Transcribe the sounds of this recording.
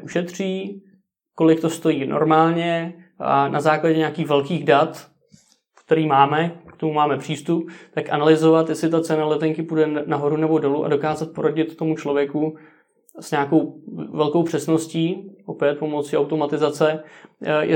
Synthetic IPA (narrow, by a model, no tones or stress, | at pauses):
uʃɛt̪r̝̥iː | ko̞lɪk̚t̪o̞st̪o̞jiːnʔo̰ɾmaːlɲɛ | a̰nʔazaːklaɟɛɲaːkiːxvɛlkiːɣdat̪ | kt̪ɛɾiːmaːmɛkt̪o̞mumaːmɛpr̝̥iːst̪up̚t̪akʔanalɪzo̞vat̪jɛslɪt̪at͡sɛnalɛt̪ɛŋkɪpudɛnaɦo̞ɾunɛbo̞do̞luʔa̰do̞kaːzat̪̚po̞ɾoɟɪt̪ːo̞mut͡ʃlo̞vjɛku | sɲaːko̞wvɛlko̞wpr̝̥ɛsno̞sciːʔo̞pjɛt̪̚po̞mot͡siʔawt̪o̞mat̪ɪzat͡sɛ | jɛ